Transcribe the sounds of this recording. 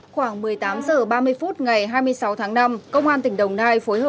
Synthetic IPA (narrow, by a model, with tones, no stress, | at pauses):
xwaː˧˩ŋmɨ˨˩əjt̪aː˨˦mzəː˧˩ɓaː˧mɨ˧əjfu˦˥t̚ŋa˨˩jɦaː˧jmɨ˧əjsa˨˦wt̪ʰaː˨˦ŋna˧mkə˧wŋ͡mʔaː˧nt̪ï˧˩ŋ̟ɗə˨˩wŋ͡mnaː˧jfo˨˦jhəː˧˩